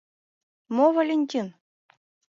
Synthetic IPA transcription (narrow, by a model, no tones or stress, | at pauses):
movalʲenʲtʲin